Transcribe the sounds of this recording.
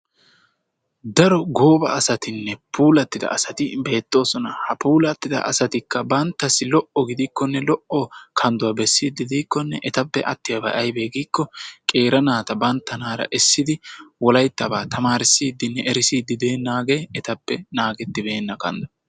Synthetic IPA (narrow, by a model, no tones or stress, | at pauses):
d̪ɐɾɔɡo̞ːbɐ̰ːsɐt̪ɪnːɛpʰuːlɐt̪ːɪd̪ɐ̰ɐsɐt̪ɪbe̞ːt̪ːo̞ːsɔnɐhɐpuːlɐt̪ːɪd̪ɐ̰ʔɐsɐt̪ɪkːɐbɐnt̪ːɐsːɪlɔʔɔɡɪd̪ɪkːɔnːɛlɔʔɔkʰɐnd̪ʊwɐbɛsːiːd̪ɪd̪iːkːɔnːɛʔɛt̪ɐpːɛʔɐt̪ːɪjɐbɐʔɐjbe̞ːɡiːkːɔkʼe̞ːɾɐnaːt̪ɐbɐnt̪ːɐnaːɾɐ̰ʔɛsːɪd̪ɪwɔlɐjt̪ːɐbaːt̪ʰɐmaːɾɪsːiːd̪ːɪnːɛʔɛɾɪsiːd̪ɪd̪e̞ːnːaːɡe̞ːɛt̪ɐpːɛnaːɡɛt̪ːɪbe̞ːnːɐkɐ̰nd̪ɔ̥